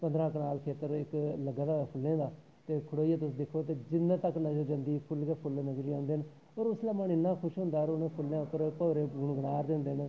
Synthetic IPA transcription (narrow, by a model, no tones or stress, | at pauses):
pə̃nd̪ɾãːknaːlkʰeːt̪əɾɪkləɡaːd̪aːpʰʊlːẽːd̪aː | t̪eːkʰʊɽoːieːt̪ʊsd̪ɪkʰːoːt̪eːd͡ʒɪnːẽːt̪əknəzəɾd͡ʒə̃nd̪iːpʰʊlɡeːpʰʊlnəzəɾiːãːnd̪eːn | ɔːɾʊslaːmənɪnːaːkʰʊʃɦʊ̃nd̪aːɾonẽːpʰʊlãːkəɾpəːɾeːɡʊɳɡəɽaːɾd̪ɪnd̪en